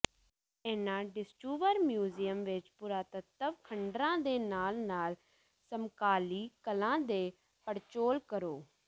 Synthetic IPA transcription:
ɛːnãːɖɪsʈuːʋəɾmjuːziːəmʋɪt͡ʃpuːɾaːt̪ət̪ːəʋkʰəɳɖɾãːd̪eːnaːlnaːl | səmkaːliːkəlãːd̪eː | pəɽt͡ʃoːlkəɾoː

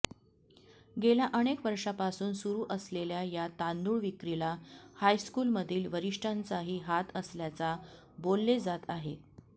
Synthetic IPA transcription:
ɡeljaʔəɽ̃ekʋəɾʂapasuːnsuɾuːʔəsleljajat̪and̪uːɭʋikɾilahajskuːlməd̪ʱiːlʋəɾiʂʈʰant͡saɦiːɦat̪əsljat͡sa | bolːed͡zat̪aɦe

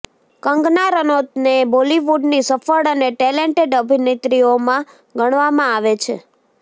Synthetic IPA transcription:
kəŋɡnaɾənot̪neboliʋuɖnisəfəɭəneʈɛleɳʈeɖəbʱinet̪ɾiomã | ɡəɽ̃ʋamãaʋet͡ʃʰḛ

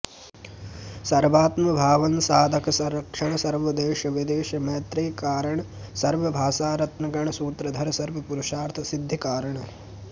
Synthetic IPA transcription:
sɐɾʋaːt̪mɐbʱaːʋɐnsaːd̪ʱɐkɐsɐɾɐkʂɐɳɐsɐɾʋɐd̪eːʃɐʋid̪eːʃɐmeːt̪ɾeːkaːɾɐɳɐ | sɐɾʋɐbʱaːsaːɾɐt̪nɐɡɐɳɐsuːt̪ɾɐd̪ʱɐɾɐsɐɾʋɐpuɾuʂaːɾt̪ʰɐsid̪ʱːikaːɾɐɳɐ

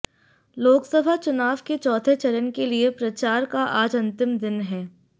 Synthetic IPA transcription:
loːksəbʱat͡ʃʊnaːʋket͡ʃɔːt̪ʰet͡ʃɐɾənkeliepɾɐt͡ʃaːɾkaʔaːd͡ʒɐ̃nt̪ɪmd̪ɪnɦɛː

